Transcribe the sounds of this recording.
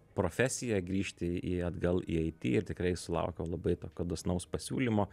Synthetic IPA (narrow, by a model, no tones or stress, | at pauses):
pɾoːfʲæsʲɪjɛɡɾʲiːʃʲt̪ʲɪiːɐd̪ɡɐlˠḭːɐɪt̪ʲḭːɪɾt̪ʲɪkɾɐɪsʊlˠɐ̰ʊkʲoːlˠɐbɐɪt̪oːkʲoːd̪osnɐʊspɐsʲuːlʲimoː